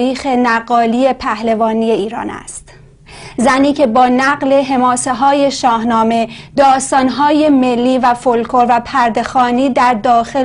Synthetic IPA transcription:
iːxe̞næɢɒːliːe̞pʰæhlevɒːnije̞iːɾɒ̰ːnæ̰st̪ | zæniːcʰe̞bɒːnæɢle̞ɦe̞mɒːse̞ɦɒːje̞ʃɒːɦnɒːme̞d̪̥ɒːst̪ɒːnɦɒːje̞me̞lːiːvæfolkʰoɾvæpʰæɾd̪e̞xɒːniːd̪æɾd̪ɒːxe

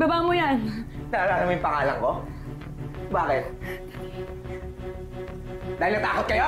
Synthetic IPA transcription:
bɐbaːmojannalaːnŋmojʊmpɐŋaːlɐŋko | baːkɪt̪̚ | d̪aːhɪlnɐt̪aːkot̪̚kɐjo

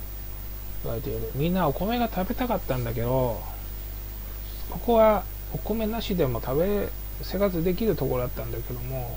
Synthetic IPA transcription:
iβa̰et̪ed̪mʲĩnːao̞ko̞me̞ɡat̪ʰabe̞t̪akat̪ːãnd̪ake̞d̪o̞ | ko̞ko̞βa | o̞ko̞me̞naɕid̪e̞mo̞t̪ʰabe̞ | se̞ɡat͡sɨd̪e̞kʲiɾɯ̟t̪o̞koɾod̪at̪ːãnd̪ake̞d̪o̞mo̞

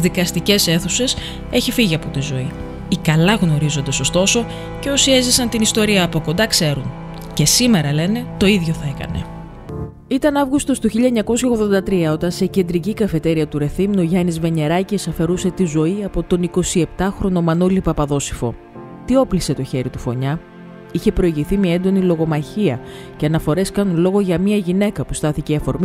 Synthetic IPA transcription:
ðikɐst̪ice̞se̞θuse̞s | e̞çifiʝiɐpo̞t̪izo̞i | ikɐlɐɣno̞ɾizo̞nd̪ɐso̞st̪o̞so̞ | ce̞o̞sie̞zisɐnt̪inist̪o̞ɾiɐːpo̞ko̞nd̪ɐkse̞ɾun | ce̞sime̞ɾɐle̞ne̞t̪o̞iðʝo̞θɐekɐ̰ne̞̰ | it̪ɐnɐvɣust̪o̞st̪uçiʎɐeɲɐko̞sçɐoɣðo̞nd̪ɐt̪ɾiɐo̞t̪ɐnse̞ce̞nd̪ɾicikɐfe̞t̪e̞ɾiɐt̪uɾe̞θimnoʝɐnizve̞ɲe̞ɾɐcesɐfe̞ɾuse̞t̪izo̞iɐpo̞t̪o̞niko̞sie̞pt̪ɐxɾo̞no̞mɐnolipɐpɐðo̞si̥fo̞̰ | t̪io̞plise̞t̪o̞çe̞ɾit̪ufo̞ɲɐ | içe̞pɾo̞iʝiθimiɐe̞nd̪o̞nilo̞ɣo̞mɐçiɐ̰ | ce̞ɐnɐfo̞ɾe̞skɐnunlo̞ɣo̞ʝɐmiɐʝine̞kɐpu̥st̪ɐθiceiɐfo̞ɾmi

